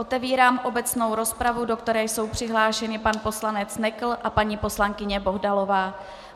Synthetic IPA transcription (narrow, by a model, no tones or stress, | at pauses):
ʔo̞t̪ɛviːɾaːmʔo̞bɛt͡sno̞wɾo̞spɾavudo̞kt̪ɛɾɛːjso̞wpr̝̥ɪɦlaːʃɛnɪpanpo̞slanɛt͡snɛkl̩ʔapaɲiːpo̞slaŋkɪɲɛbo̞ɦdalo̞vaː